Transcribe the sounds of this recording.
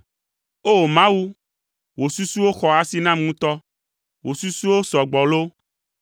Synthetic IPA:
o˦˨mã˦wu˦ | wo˨su˦su˦wo˦xɔ˨a˦si˦nã˦m˦ũ˦t̪ɔ˦ | wo˨su˦su˦wo˦sɔ˨ɡ͡bɔ˨lo˦

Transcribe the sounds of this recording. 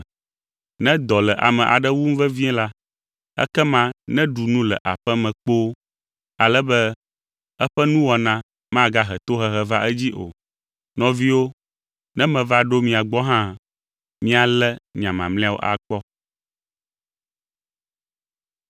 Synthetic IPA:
nɛ̃˦d̪ɔ˨lɛ˨ʔa̰˨mɛ̃˨ʔa̰˨ɖɛ˦wu˦m̩˦vɛ˦vĩ˦ɛ̃˦la˦ | ɛ̰˦kɛ˦mã˦nɛ̃˦ɖu˨nũ˦lɛ̰˨ʔa˨ɸɛ˦mɛ̃˨k͡po˦ | a˨lɛ˦bɛ˦ | ɛ˦ɸɛ˦nũ˦wɔ˨nã˦ | mã˦ɡa˦ɦɛ˨t̪o˦ɦɛ˦ɦɛ˦va˦ʔɛ˦d͡ʑi˦ʔo̰˨ | nɔ̃˨vi˦wo˦ | nɛ̃˦mɛ̃˨va˦ɖo˦mĩ˨a˨ɡ͡bɔ˦ɦã˦ | mĩ˦a˨lɛ˦ɲã˨mã̰˨mlĩ˦a˦wo̰˦ʔa̰˨k͡pɔ˦

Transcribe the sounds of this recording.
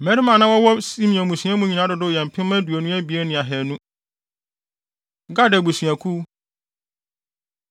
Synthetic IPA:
mɛ̃˦ɾi˦mã˨nã˦wɔ˦wɔ˦sĩ˦mĩ˨ɔ̃˨mũ˨sɥã˦mũ˦ɲĩ˨nã˦dʊ˨dʊ˦˨jɛ˨m̩˨pʰɪ̃˦m˦mã˦du˨o˨nũ˦æ˦bi˨e˦nɪ̃˨a˨ɦɛ˨nũ˦ | ɡa˦dɛ˨bu˨sɥæ̃˨kʰu˦

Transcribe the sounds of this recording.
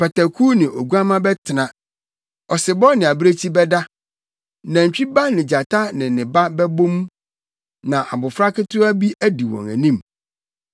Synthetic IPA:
pɛ˨ta˨kʰu˦nɪ̃˨ʔo˨ɡu˦a˦mã˦bɛ˦tʰɪ˨nã˨ | ɔ˨sɪ˨bɔ˦nɪ̃˨a˨bɾe˦t͡ɕʰi˦bɛ˦da˦ | nã˨ɲ˨t͡ɕᶣi˦ba˦nɪ̃˨d͡ʑa˨tʰa˦nɪ̃˨nɪ̃˨ba˦bɛ˦bõ˦mũ˦ | nã˨ʔa̰˨bʊ˨fɾa˦kɪ˦tʰʊ˦a˦bi˦ʔæ˦di˨wɔ̰̃˨ŋæ̰˨nĩ˦m

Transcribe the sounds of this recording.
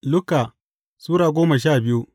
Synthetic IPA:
lʊ˦ka˨ | suː˦ɾaː˨ɡʷoː˦mɐ˨ʃ̬aː˦˨bɪ˦ju˦

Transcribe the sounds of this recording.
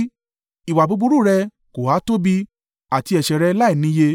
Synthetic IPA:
i˨wa˨bo˧bu˧˦ɾu˦˨ɾɛ˧ | ko˨a˨˦to˦bi˧ | a˨ti˧ɛ˨ʃɛ˨ɾɛ˧˦la˦i˦˨nĩ˧˦je˧

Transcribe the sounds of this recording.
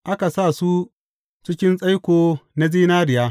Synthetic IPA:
ʔa˦ka˨saː˦˨su˦ | t͡ʃɪ˦kʲɪ˦nsʼa˦jkʷoː˨na˦ziː˦naː˦ɾɪ˨jaː˦

